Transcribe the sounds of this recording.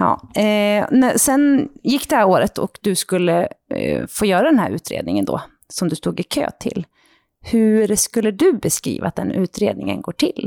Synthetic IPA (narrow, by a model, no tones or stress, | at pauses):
ɑ̰ː | næsɛnjɪkːd̪ɛhæɾoːɾət̪ʰɔ̰kd̪ɵskɵlːə | foːjœːɾad̪ɛnhæ̰ːɾʉ̟ːt̪ʰɾḛːd̪nɪŋənd̪o̰ː | sɔmd̪ɵst̪uːɡɪkʰø̰ːt̪ʰɪlː | hɵɾskɵlːəd̪ɵbɛskɾḭːva̰t̪̚d̪ɛnʉ̟ːt̪ɾeːd̪nɪŋə̰nɡoːʈʰɪl